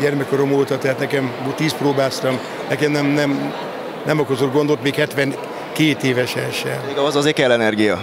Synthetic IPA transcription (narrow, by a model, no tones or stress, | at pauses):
ɟɛrmɛkoɾo̞moːt̪ɒt̪ɛɦaːt̪nɛkɛmot̪iːsproːbaːst̪ɒm | nɛkɛmnɛmnɛm | nɛmɒkozor̚ɡo̞nd̪ot̪meːkhɛt̪ʋɛŋ | keːt̪eːvɛʃɛlʃɛ̰eːɡɒɒzɒzeːkɛlːɛnɛrɡijɒ